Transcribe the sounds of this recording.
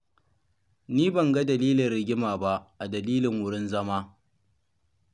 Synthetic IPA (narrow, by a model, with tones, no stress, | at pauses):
niː˦bɐ˨ŋɡɐ˦dɐ˨liː˦lɪ˨rɽɪ˨ɡʲɪ˦maː˨ba˦ʔʔa˨dɐ˨liː˦lɪ˨ŋwʊ˦ɽɪ˦nzɐ˦maː˦